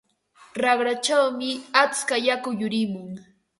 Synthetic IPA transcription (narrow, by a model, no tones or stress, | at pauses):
ɾɑχɾat͡ʃawmɪat͡skajakʊjʊɾɪmʊŋ